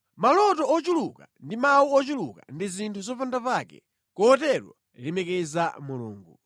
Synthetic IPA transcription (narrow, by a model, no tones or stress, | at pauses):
malɔtɔɔt͡ʃulukandimawuɔt͡ʃuluka̰ndizintʰuzɔpandapakɛ̰ | kɔːtɛɾwa̰ | lɛmɛkɛzamulṵːŋɡu